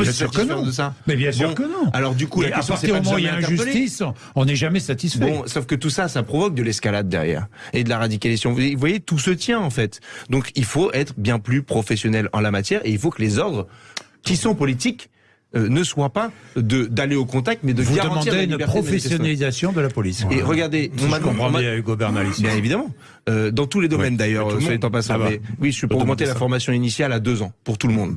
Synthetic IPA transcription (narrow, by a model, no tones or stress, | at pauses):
ɛ̃ssayʁifñd̪əs̬amɛbjɛ̃sbɔ̃kənɔ̃alɔʁd̪ykulaɛst̪jaʁtsɛiammɛ̃ɛ̃tɛʁʒysplet̪is | ɔ̃nɛʒamɛsat̪isfɛbɔ̃sofkət̪usasapχɔvɔk̚d̪əlɛskalad̪ːɛ̰ʁjɛ̰ːʁed̪əlaʁad̪ikalizasjɔ̃vvwajet̪usət̪jɛ̃ɑ̃fɛt̪d̪ɔ̃kilfoʔɛt̪χəbjɛ̃plypχɔfɛsjɔnɛlɑ̰̃lamat̪jɛʁeilfokəlezɔʁd̪ʁ | kʲisɔ̃pɔlit̪ik | ønəswapad̪əd̪aleokɔ̃t̪ak̚t̪mɛd̪əɡaʁɑ̃tmɑ̃iʁeaylnbɛʁpχeɔfesjɔnalizasjɔ̃d̪əlapɔliseʁəɡaʁd̪eɔ̃mɛ̃t̪mayɡobɛnalisbjɛ̃nevid̪amɑ̃ | ød̪ɑ̃t̪uled̪ɔmmɛnd̪ajœʁəet̪ɑ̃pasɑ̃ɛwiʒʃipuʁɔɡmɑ̃t̪elafɔʁmasjɔ̃inisjalad̪øzɑ̃puʁt̪uləmɔ̃d̪